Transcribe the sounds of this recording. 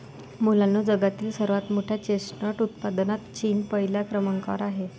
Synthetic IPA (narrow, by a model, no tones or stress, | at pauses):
mulanːod͡zəɡat̪iːlsəɾʋat̪moʈʰjat͡ɕesnəʈut̪̚pad̪nat̪t͡ɕiːnpəɦiljakɾəməŋka̰ɾaɦe